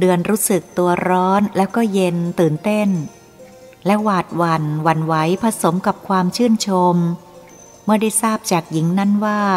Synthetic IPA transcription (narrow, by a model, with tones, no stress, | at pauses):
dɯ˧ənɾuː˦˥sɯ˨˩k̚t̪u˧ɐɾɔː˦˥nlɛː˦˥wkɔː˥˩je˧nt̪ɯː˨˩nt̪e˥˩n | lɛ˦˥waː˨˩t̪̚wa˧nwa˧nwa˦˥jpʰa˧so˩˦mka˨˩p̚kʰwaː˧mt͡ɕʰɯː˥˩ənt͡ɕʰo˧mː | ɯ˥˩ɐda˥˩jsaː˥˩p̚t͡ɕaː˨˩k̚ji˩˦ŋna˦˥nwaː˥˩